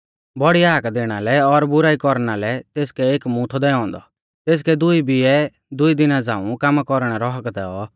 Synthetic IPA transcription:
bɔɽiaːkd̪eːɽ̃alɛɔɾbʊɾaːikɔɾɽ̃alɛt̪eːskɛeːkmũt̪ʰɔd̪ɛɔ̃ːnd̪ɔ̰ | t̪eːs̬kɛd̪ʊibiɛ | d̪ʊid̪ɪnad͡zã̰ːũkamakɔɾɽ̃ɛɾɔɦəkd̪ɛɔ

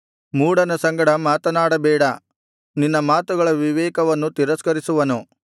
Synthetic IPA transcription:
muːɽɐnɐsɐŋɡɐɽɐmaːt̪ɐnaːɽɐbɛːɽɐ | ninːɐmaːt̪uɡɐɭɐʋiʋɛːkɐʋɐnːut̪iɾɐskɐɾisuʋɐnu

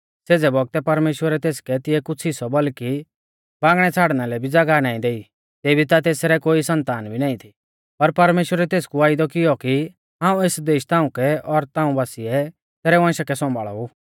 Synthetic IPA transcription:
seːd͡zɛbɔɡ̚t̪ɛpɐɾmeːʃwəɾɛt̪eːskɛt̪ɪjɛkʊt͡sʰɪsɔbɔlki | bãːŋɡɽ̃ɛt͡sʰaːɽnalɛbʱid͡zɐɡanaːĩd̪eːi | t̪eːbʱit̪at̪̬eːsɾɛkoːisɐ̃nt̪aːnbʱinaːĩt̪ʰi̥ | pɐɾpɐɾmeːʃwəɾɛt̪eːskuaːɪd̪ɔkɪjɔki | ɦãːũesd̪eːʃt̪ãːũkɛɔɾt̪aːũbaːsiɛ | t̪eːɾɛʋãːʃakɛsɔ̃mbaːɭɔ̰uː

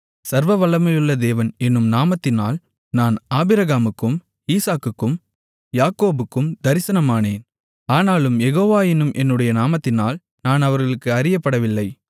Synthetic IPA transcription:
sɐɾʋɐʋɐɭːɐmɐjɯɭːɐd̪eːʋɐnɛnːɯmnaːmɐt̪ːɪnaːl | naːnaːbɪɾɐɣaːmɯkːɯm | iːsaːkːɯkːɯm | jaːkoːbɯkːɯmd̪ɐɾɪsɐnɐmaːneːn | aːnaːlɯmjɛɣoːʋaːjɪnɯmʔɛnːɯɽɐjɐnaːmɐt̪ːɪnaːl | naːnɐʋɐɾɣɐɭɯkːɯɐɾɪjɐpːɐɽɐʋɪlːɐɪ

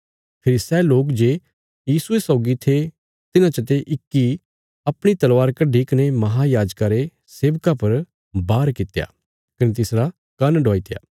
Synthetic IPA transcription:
pʰɪɾisɛːloːkd͡ʒe | jiːsuesɔːɡit̪ʰe | t̪ɪnãt͡ʃət̪̬eʔɪkːi | ɐpɽ̃it̪ɐlʋaːɾkɐɖʱikɐnemɐɦajaːd͡ʒkaɾe | seːʋkapɐɾ | baːɾkɪt̪ja̰ː | kɐnet̪ɪsɽa | kɐnɖʱɔːit̪ja̰ː

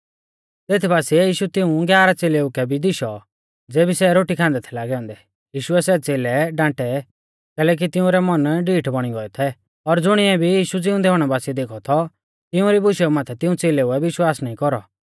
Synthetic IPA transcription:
t̪eːt̪ʰibaːsiɛjiːʃut̪ɪũɡjaːɾat͡seːleʊkɛbʱid̪ɪʃɔ | d͡zeːbisɛɾoːʈikʰãːnd̪ɛt̪ʰɛlaːɡɛɔ̃ːnd̪ɛ | jiːʃuɛsɛt͡seːlɛɖãːʈɛ | kɛːlɛːk̬it̪ɪũɾɛmɔnɖiːʈbɔɽ̃iɡɔɛt̪ʰɛ | ɔɾd͡zʊɽ̃iɛbʱijiːʃud͡zɪʊ̃d̪ɛɦɔːɽ̃ɛbaːsiɛd̪eːkʰɔt̪ʰɔ | t̪ɪũɾibʊʃɛumãːt̪ʰɛt̪ɪ̃ũt͡seːlɛuɛʋɪʃwaːsnaːĩkɔɾɔ̰

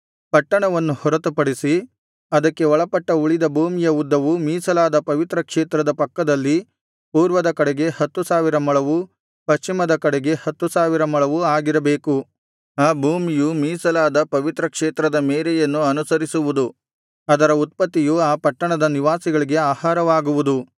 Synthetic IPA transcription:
pɐʈːɐɳɐʋɐnːuhɔɾɐt̪upɐɽisi | ɐd̪ɐkːe̞ɔɭɐpɐʈːɐuɭid̪ɐbʱuːmijɐud̪ːɐʋumiːsɐlaːd̪ɐpɐʋit̪ɾɐkʂeːt̪ɾɐd̪ɐpɐkːɐd̪ɐlːi | puːɾʋɐd̪ɐkɐɽɛɡe̞hɐt̪ːusaːʋiɾɐmɐɭɐʋu | pɐʃt͡ʃimɐd̪ɐkɐɽeɡe̞hɐt̪ːusaːʋiɾɐmɐɭɐʋuaːɡiɾɐbeːku | aːbʱuːmijumiːsɐlaːd̪ɐpɐʋit̪ɾɐkʂeːt̪ɾɐd̪ɐmeːɾɛjɐnːuɐnusɐɾisuʋud̪u | ɐd̪ɐɾɐut̪̚pɐt̪ːijuaːpɐʈːɐɳɐd̪ɐniʋaːsiɡɐɭiɡe̞aːhaːɾɐʋaːɡuʋud̪u

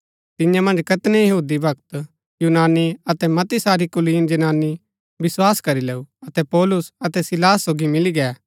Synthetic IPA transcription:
t̪ɪjãmɐ̃nd͡ʒkɐt̪nɛjɐɦuːd̪ibʱɐkt̪ | juːnaːniɐt̪ɛmɐt̪isaːɾikʊliːnd͡ʒɐnaːni | bɪswaːskɐɾileːuɐt̪ɛpɔːlʊsɐt̪ɛsɪlaːsːoːɡimɪliɡɛː

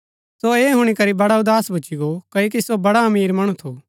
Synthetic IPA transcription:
soeːɦʊɽ̃ikɐɾibɐɽaʊd̪aːsbʱut͡ʃiɡokɐok̬isobɐɽaɐmiːɾmɐɽ̃ũt̪ʰoː

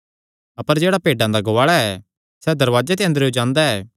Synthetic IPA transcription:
ɐpəɾd͡ʒeːɽapeːɖãd̪aɡɐʋaːɭaɛː | sɛd̪ɐɾʋaːd͡ʒet̪̬eə̃nd̪əɾod͡ʒãːnd̪aɛː

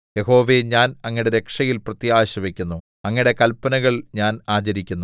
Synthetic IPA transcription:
je̞ɦo̞ːʋe̞ɲaːnɐŋːiɽe̞ɾe̞kʂɐjilprɐt̪jaːɕɐʋekʲːunːu | ɐŋːiɽe̞kɐlpɐnɐɣɐɭɲaːnaːt͡ɕɐɾikʲːunːu

